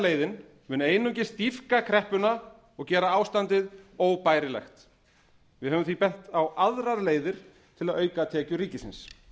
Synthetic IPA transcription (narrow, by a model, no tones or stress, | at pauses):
leːjðɪn | mʏːnʏeːjnʏɲcɪ̥st̪ifkakʰɾɛhpʏna | ɔɣcɛːɾaaːwst̪ant̪ɪðoːwpaːjɾɪlɛ̰xt̪ | vɪðɛːvʏmθvipɛl̥t̪awʔaðɾaɾleːjðɪɾ̥ | t̪ʰɪlaðœːɥkat̪ʰɛːcʏɾiːcɪsɪ̰ns